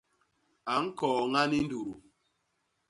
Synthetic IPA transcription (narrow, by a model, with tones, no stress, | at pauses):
a˨ŋ̩˦kɔː˨ŋa˦ni˦n˦du˨ɾu˨